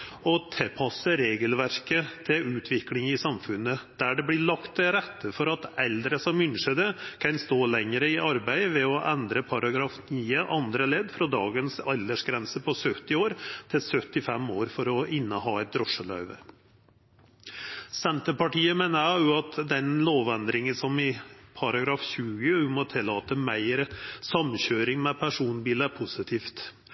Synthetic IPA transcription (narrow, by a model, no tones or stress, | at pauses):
ɔt̪ʰɛpʰɑsəɾeːɡəlʋæɾkət̪ʰɪʉːt̪ʰʋɪklɪŋɪsɑmfʉnəd̪̥æɖɛblɪɭɑkt̪ɾɛt̪ʰːəfɔɾɑt̪ɛld̪ɾəsɔmʏnʂəd̪əkʰɑnst̪oːlɛŋəɾəɪʔɑɾbæɪʋɛɔʔænd̪ɾəpʰɑɾɑɡɾɑːfniːəʔɑnd̪ɾəleːd̪fɾɑd̪ɑːɡənsɑld̪əʂɡɾɛnsəpʰɔsœt̪ːɪoːɾt̪ʰɪlsœt̪ɪfɛmoːɾfɔɾɔɪnːəhɑːɛt̪̚d̪ɾɔʂəlœ̰ʏʋə̰ | sɛnt̪əpɑʈiːəmeːnəæjʊɑt̪d̪ɛnloːʋænd̪ɾɪŋəsɔmɪpʰɑɾɑɡɾɑːfɕʉːəʉmɔt̪ʰɪlːɑːt̪əmæɪɾsɑmçøːɾɪŋmɛpʰæʂuːnbiːləæɾpʰʊsɪt̪ʰiːft̪